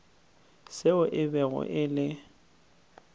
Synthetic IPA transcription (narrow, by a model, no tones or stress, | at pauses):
sɪʊʔɪbɛɣʊ̰ʔɪlɪ